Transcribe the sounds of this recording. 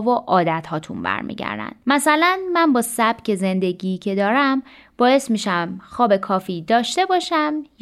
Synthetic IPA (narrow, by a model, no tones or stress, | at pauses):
voʔɒːd̪æt̪hɒːt̪ʰṵnbæ̰ɾmḭːɟæ̰ɾd̪æ̰nd̪mæsælænmænbɒːsæb̥cʰe̞ze̞nd̪e̞ɟiːcʰe̞d̪ɒːɾæm | b̥ɒːje̞st̪miːʃæmxɒːbe̞kʰɒːfiːd̪ɒːʃt̪e̞bɒːʃæmj